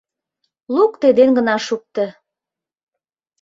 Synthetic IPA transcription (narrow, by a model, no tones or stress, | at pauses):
lukt̪ed̪enɡə̆nɑʃuk̚t̪ə̆